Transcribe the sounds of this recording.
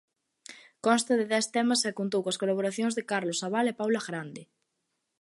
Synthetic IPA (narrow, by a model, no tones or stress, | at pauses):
kɔ̃nst̪aðeðɛst̪ɛmasɛkunt̪̬owkaskolaβ̞oɾaθjõŋzðekaɾlosaβalepawlaɣɾand̪ɪ